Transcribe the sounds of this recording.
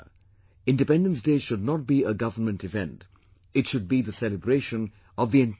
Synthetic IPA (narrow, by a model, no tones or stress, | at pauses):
ɪ̃ndɨpɛ̃ndə̃ns̬d̥eːʃʊdⁿnət̚b̥iəɡʌvənmə̃ntɨvɛ̰̃nt | ɨtʃʊd̚biðəsɛlɨbɹeɪʃə̃n | ʌvðiɨ̃n